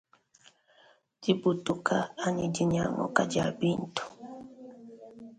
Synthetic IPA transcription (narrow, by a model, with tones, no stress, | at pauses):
d͡ʒi˦bu˨tu˦ka˦a˦ɲi˦d͡ʒi˦ɲa˨ŋɔ̰˨ka˦d͡ʒa˨bi˦ntu̥˨